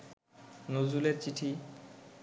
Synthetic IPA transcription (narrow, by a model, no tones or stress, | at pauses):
nod͡ʑuleɾt͡ɕiʈʰi